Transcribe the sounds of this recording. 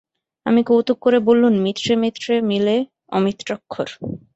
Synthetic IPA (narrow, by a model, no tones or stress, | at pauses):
amikowt̪ok̚kːoɾebolːunmit̪ːɾemit̪ːɾemile | ɔ̰mit̪ɾɔkʰːoɾ